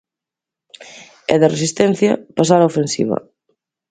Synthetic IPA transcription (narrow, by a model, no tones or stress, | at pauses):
ɛ̰ðeresist̪ɛnθjɐpas̬aɾaofensḭβɐ̰